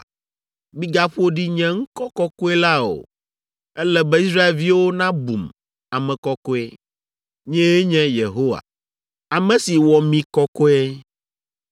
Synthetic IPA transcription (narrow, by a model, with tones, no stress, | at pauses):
mĩ˦ɡa˦ɸo˦ɖi˦ɲɛ̃˦ŋ̩˦kɔ˦kɔ˦kɔ˦e˦la˦o̰˨ | ɛ˦lɛ˦bɛ˦i˦sɾa˦e˨lvi˦wo˦nã˦bṵ˨m | a˨mɛ̃˨kɔ˦kɔ˦e˦ | ɲɛ̃˦e˦ɲɛ̃˦je˨ɦo˦wa̰˨ | a˨mɛ̃˦si˨wɔ˨mĩ˨kɔ˦kɔ˦e˦